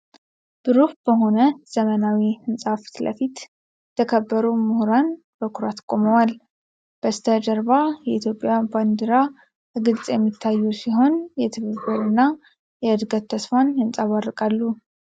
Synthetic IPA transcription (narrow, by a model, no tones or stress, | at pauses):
b̥ɨɾuhbəɦo̞nəz̥əmənawihɨnsʼaft̪lə̰fit̪ | t̪ʰəkʰəbːəɾumuhuɾan | b̥əkʰuɾat̪ʰkʼoməwal | b̥əst̪ʰəd͡ʒəɾbajɛʔit̪ʰjopʼːjaband̪ɨɾa | ɨɡɨlt͡sʼjɛmːit̪ʰːajːusiɦo̞njɛt̪ʰɨβɨbːɨɾɨnːa | jɛɨd̪ɡət̪ʰːəsfanhɨnsʼaβaɾɨkʼalːu